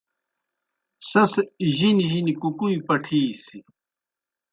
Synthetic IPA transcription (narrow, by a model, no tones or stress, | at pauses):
sɐsʑiniʑinikukujipɐʈʰiːsi